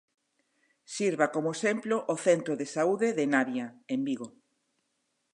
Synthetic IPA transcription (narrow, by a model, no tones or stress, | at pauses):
siɾβakomʊesemploʔoθent̪ɾoðesauðeðenaβjaembiɣo